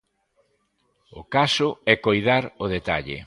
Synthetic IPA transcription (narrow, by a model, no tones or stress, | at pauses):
ʊkasʊɛkojðaɾʊðet̪a̰ʎḛ